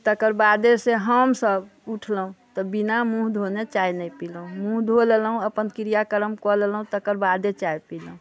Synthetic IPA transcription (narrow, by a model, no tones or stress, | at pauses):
t̪əkəɾbad̪eseɦəmsəbuʈʰləɦũt̪ɔbinamũɦd̪ʱonet͡ʃainəjpilɦũmũɦd̪ʱolelɦũəpənkiɾijakəɾəmkɔlelɦũt̪əkəɾbad̪et͡ʃajpilɦũ